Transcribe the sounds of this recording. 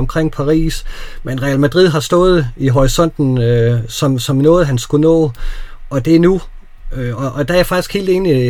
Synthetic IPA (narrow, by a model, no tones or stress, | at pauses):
ɒmkʰʁeŋ̰pʰɑ̈ʁḭːsmenʁɛælmæd̥ʁið̞̰ˠɦɑ̈sd̥ɔ̽ːð̞̩ˠiɦɒʁisɒ̽n̰d̥n̩sɒ̽msɒ̽mnɔ̽ːð̞̩ˠɦænsɡ̥unɔ̰̽ːɒ̽d̥e̝nu | øɒ̽ʔɒ̽d̥ææɐfɑ̈ɡ̥isɡ̥he̝̰ːld̥e̝ːni